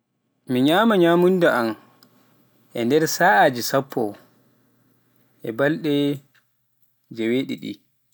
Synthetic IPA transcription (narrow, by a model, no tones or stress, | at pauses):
miɲaːmaɲaːmundaʔam | ʔɛ̰ndɛɾsaːaːd͡ʒisapʰːɔ̰ | ʔɛbalɗɛ | d͡ʒɛweːɗḭɗḭ